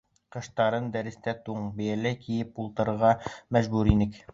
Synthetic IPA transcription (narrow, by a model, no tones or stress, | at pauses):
qɤ̆ʃt̪ɑɾɤnd̪æɾɘ̆st̪æt̪uɴbɘ̆jælækijɘp̚ulˠt̪ɤ̆ɾɤ̆ɾʁɑmæʑbʉɾinɘk